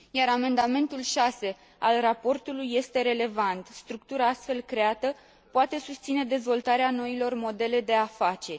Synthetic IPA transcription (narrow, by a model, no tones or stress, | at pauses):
jaɾame̞nd̪ame̞nt̪ulʃase̞ | alrapo̞rt̪ulujːe̞st̪e̞ɾe̞le̞vant̪st̪ɾuk̚t̪uɾaast̪fe̞lkɾe̞at̪ə | poat̪e̞sust̪sine̞d̪e̞zvo̞lt̪aɾeano̞ilo̞rmo̞d̪e̞le̞d̪e̞afat͡ʃe̞